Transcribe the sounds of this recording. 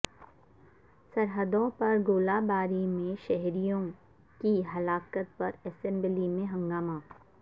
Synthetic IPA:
sɐɾɦəd̪õpɐɾɡoːlaːbaːɾimẽʃɛɦɾijõ | kiɦɐlaːkət̪̚pɐɾɛsɛ̃mbəlimẽɦɐ̃ŋɡaːmaː

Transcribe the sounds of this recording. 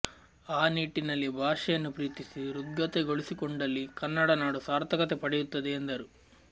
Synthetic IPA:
aːniːʈːinɐlːibʱaːʂɐjɐnːupɾiːt̪isiɾuɡːɐt̪eɡo̞ɭisikoɳɖɐlːikɐnːɐɽɐnaːɽusaːɾt̪ʰɐkɐt̪epɐɽɛjut̪ːɐd̪eːnd̪ɐɾu

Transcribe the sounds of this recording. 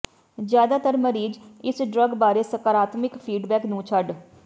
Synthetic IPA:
zjaːd̪aːt̪əɾməɾiːd͡ʒɪsɖɾəɡbaːɾeːsəkaːɾaːt̪mɪkpʰiːɖbɛːknũːt͡ʃʰəɖ

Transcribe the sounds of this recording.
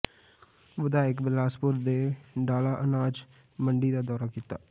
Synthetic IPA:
ʋəd̪aːɪkbɪlaːspʊɾd̪eːɖaːlaːʔənaːd͡ʒ | məɳɖiːd̪aːd̪ɔːɾaːkiːt̪a̰ː

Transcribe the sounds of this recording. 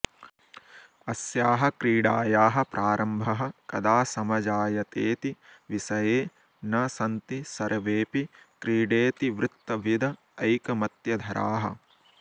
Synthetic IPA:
ɐsjaːɦɐkɾiːɖaːjaːɦɐ̆pɾʔaːɾʔɐmbʱɐɦɐ̆kɐd̪aːsɐmɐd͡ʒaːjɐt̪eːt̪iʋisɐjeː | nɐsɐnt̪isɐɾʔɐʋeːpikɾiːɖeːt̪iʋɾɪt̪ːɐʋid̪ʱɐː | jkɐmɐt̪jɐd̪ʱɐɾʔa̰ːɦɐ̰

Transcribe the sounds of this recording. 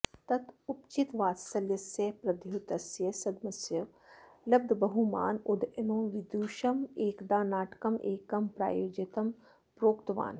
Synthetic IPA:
t̪ɐt̪upt͡ʃit̪ʋaːt̪sɐljɐsjepɾɐd̪ʱjut̪ɐsjɐsɐd̪mɐsjɐ | lɐb̚d̪ʱbɐɦuma̰ːnud̪enõːʋid̪uːʃɐmeːkd̪aːnaːʈkɐmʔeːkɐmpɾa̰ːjoːd͡ʒɐt̪ɐm | pɾoːkt̪ʋa̰ːn

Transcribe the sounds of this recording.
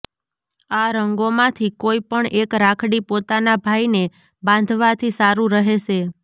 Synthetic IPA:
aɾəŋɡomãt̪ʰikoipəɳekɾakʰɽipot̪anabʱajne | bãnd̪ʱʋat̪ʰisaɾũɾəɦeʃe

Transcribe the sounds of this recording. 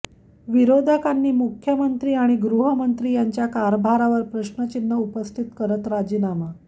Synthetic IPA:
ʋiɾod̪ʱakanːiːmukʰjəmənt̪ɾiːaɽ̃iɡɾuɦəmənt̪ɾiːjaɲt͡ɕjakaɾbʱaɾaʋəɾpɾəɕnət͡ɕinːəupəst̪ʰit̪kəɾət̪ɾad͡ʑiːnama

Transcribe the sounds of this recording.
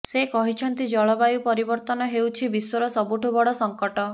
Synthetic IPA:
sekɔɦit͡ʃʰɔnt̪id͡ʒɔɭɔbajupɔɾibɔɾt̪ɔnɔɦewt͡ʃʰibiswɔɾɔsɔbuʈubɔɽɔsɔŋkɔʈɔ

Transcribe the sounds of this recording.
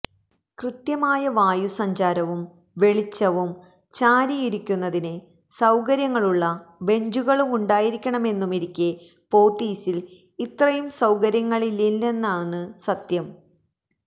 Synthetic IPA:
krɨt̪jɐmaːjɐʋaːjusɐɲd͡ʑaːɾɐʋum | ʋe̞ɭit͡ɕːɐʋum | t͡ɕaːɾijiɾikʲːunːɐðinɨ | sɐwkɐɾjɐŋːɐɭuɭːɐbe̞ɲd͡ʑuɣɐɭumuɳɖaːjiɾikʲːɐɳɐme̞nːumiɾikʲːe | po̞ːt̪ːiːsil | it̪rɐjumsɐwkɐɾjɐŋːɐɭililːe̞nːaːnɨsɐt̪jɐm

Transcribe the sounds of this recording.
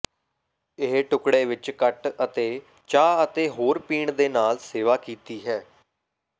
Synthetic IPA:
ɪɦʈʊkɽeːʋɪt͡ʃkəʈət̪eː | t͡ʃaːət̪eːɦoːɾpiːɳd̪eːnaːlseːʋaːkiːt̪iːɦɛː

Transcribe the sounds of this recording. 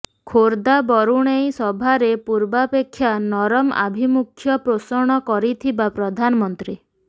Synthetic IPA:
kʰoɾd̪abɔɾuɽ̃ejsɔbʱaɾepuɾbapekʰːjanɔɾɔma̰bʱimukʰːjɔpɾosɔɽ̃ɔkɔɾit̪ʰibapɾɔd̪ʱanɔmɔnt̪ɾi

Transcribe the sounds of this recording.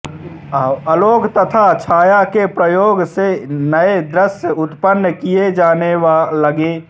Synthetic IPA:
əloːɡt̪ət̪ʰat͡ʃʰaːjakepɾəjoːɡsenəed̪ɾəsjəʊt̪pənːəkijed͡ʒaːnewaləɡe

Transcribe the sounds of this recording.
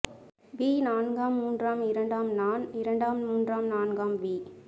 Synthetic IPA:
ʋiːnaːnɡaːmːuːndraːmɪɾɐɳɖaːmnaːnɪɾɐɳɖaːmmuːndraːmnaːnɡaːmʋiː

